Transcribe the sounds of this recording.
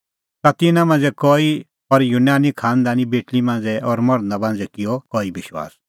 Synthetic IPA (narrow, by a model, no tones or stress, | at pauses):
t̪at̪ɪnãmãːnd͡zɛkɔːi | ɔɾjunaːnikʰaːnd̪anĩbeːʈlimãːn̆d͡zɛɔːɾmɔɽ̃ə̃nd̪abãːnd͡zɛkɪjɔkɔːibɪʃwa̰ːs